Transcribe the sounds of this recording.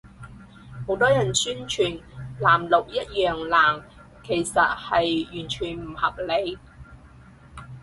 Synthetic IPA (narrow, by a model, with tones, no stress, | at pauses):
ho˨˥wt̪ɔː˥jɐ˨˩nsyː˥nt͡ʃʰyː˨˩nlaː˨˩mlʊ˨k̚jɐ˥t̚jœː˨ŋlaː˨˩ŋ | kʰe˨˩jsɐ˨t̚hɐ˨jjyː˨˩nt͡ʃʰyː˨˩nm̩˨˩hɐ˨p̚le˨˧j